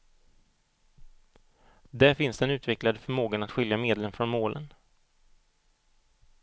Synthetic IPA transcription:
d̪æɾfɪnsd̪ɛnʉ̟ːt̪vɛklad̪əfœɾmoːɡanat̪ɧʏljameːd̪lənfɾɔnmoːlʔə̰n

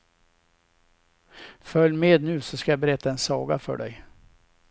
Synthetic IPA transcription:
fœljːmeːd̪nʉ̟ːsɔskajabɛɾɛt̪ːaɛnsɑːɡafœ̰ɖɛ̰j

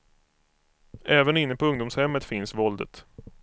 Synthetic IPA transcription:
ɛːvənɪnːəpʰɔɵŋd̪ʊmshɛmːət̪fɪnsvɔld̪ə̰t̪

